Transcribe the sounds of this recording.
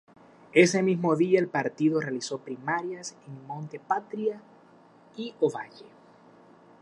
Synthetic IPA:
e̞se̞mizmo̞ðiaelpaɾt̪iðo̞re̞aliso̞pɾimaɾjaseŋmõnt̪e̞pat̪ɾja | ioβaʝe

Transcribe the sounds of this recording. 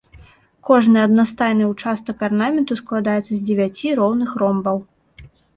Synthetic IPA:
kɔʐnɨɐd̪nast̪ajnɨwt͡ʂast̪ɐkarnamʲɛnt̪usklˠad̪ajɛt̪sːɐzʲd͡zʲɪvʲat͡sʲiɾɔwnɨxɾɔmbɐw

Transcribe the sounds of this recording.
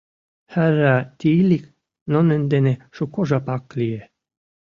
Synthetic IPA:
hærat̪iːlik | nɔnønd̪eneʃukoʒapaklie

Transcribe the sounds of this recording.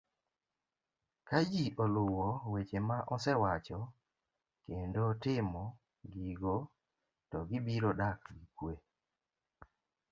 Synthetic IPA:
kad͡ʒiʔɔlʊwɔwet͡ʃemaʔɔsɛwat͡ʃɔ | kendotɪmɔ | ɡiɡo | tɔɡɪbiɾodakɡikwe

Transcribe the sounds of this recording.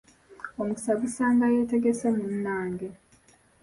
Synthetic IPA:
omuki̥saβusaːŋɡaje̞ːte̞ɡesemunnaːŋɡe

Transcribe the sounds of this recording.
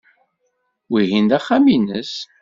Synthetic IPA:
wiɦind̪æχːaminəs

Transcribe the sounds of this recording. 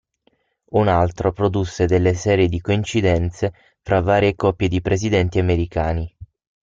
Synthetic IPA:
unalt̪ɾopɾod̪usːed̪elːesɛːɾjed̪ikoint͡ʃid̪ɛnt̪se | fɾavːaːɾjekɔpːjed̪ipɾʔezid̪ɛnt̪iameɾikaːni

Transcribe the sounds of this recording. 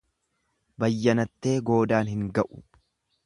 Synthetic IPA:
bɐjːɐnɐt̪ːe̞ːɡo̞ːd̪aːnhɪŋɡɐʔʊ̥

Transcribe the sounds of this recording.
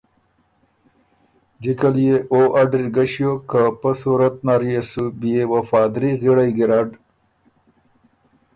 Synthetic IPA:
d͡ʒikaljeʔoʔaɖɾiɡaɕjokapəsuɾɐt̪̚naɾjesubijewafaːd̪ɾiɣiɽajɡiɾaɖ

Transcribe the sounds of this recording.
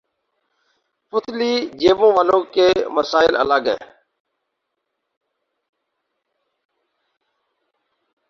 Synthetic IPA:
pʊt̪ʰliːd͡ʒeːʋõːʋaːlõːkeːməsaːɪlə̰laːɡɛ̰̃ː

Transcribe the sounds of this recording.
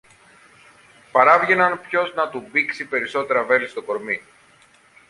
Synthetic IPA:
pɐɾɐvʝe̞nɐnpço̞znɐt̪ubiksipe̞ɾiso̞t̪e̞ɾɐve̞list̪o̞ko̞ɾmi

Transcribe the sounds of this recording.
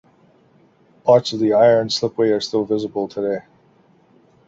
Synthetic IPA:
bʰɑɹtsʌvðiaɪə̃˞nslɪpweɪə˞stɪlˠvɪzəbl̩ˠtʰədeɪ

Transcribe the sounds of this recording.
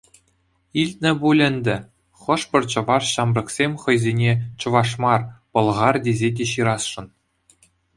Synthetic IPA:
ilʲt̪̚ʲnʲɘ̆bulʲɘ̆nʲd̪ʲɘ̆ | χɤ̆ʂpʲɤ̆rt͡ɕɤ̆vɑrɕɑmrɤ̆ksʲemʲχɤ̆jzʲenʲet͡ɕɤ̆ʋɑʂmɑrpɤ̆lˠʁɑrdʲezʲedʲeɕiɾɑsʂɤ̆n

